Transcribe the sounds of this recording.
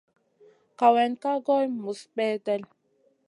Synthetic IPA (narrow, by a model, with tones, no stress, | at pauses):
ka˨wɛ˨nka˦ɡɔ˦jmu˨sɓɛː˦tɛ˦l